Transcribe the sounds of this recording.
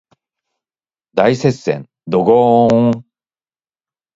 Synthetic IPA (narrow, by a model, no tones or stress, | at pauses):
d̪aise̞ssẽ̞̰n | d̪oɡoː